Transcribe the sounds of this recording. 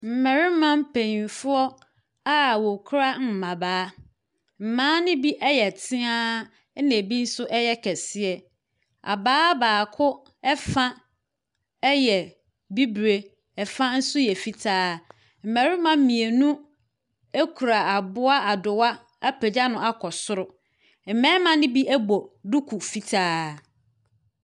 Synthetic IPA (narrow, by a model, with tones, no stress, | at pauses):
m̩˨mɛ˨ɾɪ˦mã˦m̩˦pʰẽ˨ɲi˨nfʊ˦ɔ˦ | a˦wo˨kʰɾa˦m̩˨mã˨baː˨˦ | m̩˨mãː˦nɪ̃˦bi˦ʔɛ˦jɛ˨tʰɪ̃˦ã˦ | nẽ˨bi˦n̩˦sʊ˦ʔɛ˦jɛ˦kʰɛ˨sɪ˦ɛ˨ | a̰˨baː˦baː˨kʰʊ˦ | ɛ˦fã˦ | ɛ˦jɛ˨ | bi˦bɾe˦ | ɛ˨fã˦n̩˦sʊ˦jɛ˨fi˦tʰaː˦ | m̩˨mæ˨ɾɪ˦mã˨m̩˦mĩ˨e˨nũ˦ | e˦kʰu˨ɾa˨a˨bʊ˦a˦a˨dʊ˨wa˦ | a˦pʰɛ˨d͡ʑa˦nʊ̃˦a˦kʰɔ˨sʊ˦ɾʊ˨ | m̩˨mɛ̃ː˦mã˦nɪ̃˦bi˦ʔæ˦bɔ˨du˦kʰu˨fi˦tʰaː˦